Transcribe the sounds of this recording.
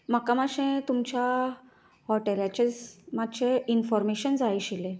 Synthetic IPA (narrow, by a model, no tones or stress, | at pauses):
makamaɕẽt̪umt͡ɕa | hɔʈelat͡ɕed͡zmat̪ːɕeinfɔɾmeɕənd͡zajɕilẽ